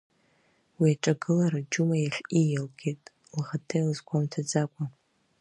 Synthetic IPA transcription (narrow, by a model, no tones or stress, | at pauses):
wiaʈ͡ʂʼaɡɨlaɾad͡ʒumajaɬʲijalɡʲetʼ | lʁatʰejlɨzɡʷamtʰad͡zakʷʼa